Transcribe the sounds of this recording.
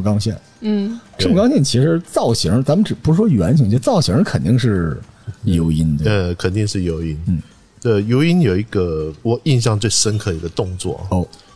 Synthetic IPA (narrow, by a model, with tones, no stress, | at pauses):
kɑ˥ŋɕjɛ̰˥˩n̩˥˩ʈ͡ʂɤ˥˩mə˧kɑ˥ŋɕjɛ˥˩nt͡ɕʰi˧˥ʂɻ̩˧˥t͡sɑ˥˩ʊɕi˧˥˧t͡sa˧˥mə˨nʈ͡ʂɻ̩˨˩pu˧˥ʂɻ̩˥ʂwɔ˥jɥɛ˧˥nt͡ɕʰŋt͡ɕt͡sɑ˥˩ʊɕi˧˥ŋ˧kʰə˨˩nt̪i˥˧ŋʂ̬ɻ̩˥˩ | jo˧˥ʊi˥nt̪ə˧kʰə˨˩nt̪i˥˧ŋʂɻ̩˥˩jo˧˥ʊi˥nn̩˥˩ | ə˥˧˩jo˧˥ʊi˥njo˨˩ʊi˧˥ɡə˧wɔ˨˩i˥˧nɕ̬jɑ˥˧ŋt͡swe˥˩ɪʂə˥nkʰɤ˥˩d̪ə˩i˧˥ɡə˧t̪ʊ˥˧ŋt͡swɔ̰˥˩o˥˩